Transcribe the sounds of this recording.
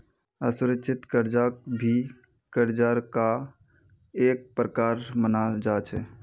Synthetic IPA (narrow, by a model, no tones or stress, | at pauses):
əsʊɾəkʃʰɪt̪kəɾd͡ʒaːkbʱi | kəɾd͡ʒaːɾka | eːk̚pɾəkaːɾmənad͡ʒaːt͡ʃʰɛː